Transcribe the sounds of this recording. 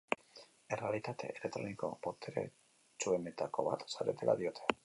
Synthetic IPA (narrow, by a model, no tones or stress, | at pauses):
e̞re̞alit̪at̪e̞̰ʔelek̚t̪ɾo̞̰niko̞̰po̞t̪ʰeɾḛ | t͡ʃue̞me̞t̪ako̞βa̰t̪saɾe̞t̪e̞lʔa̰ðio̞t̪ʰe̞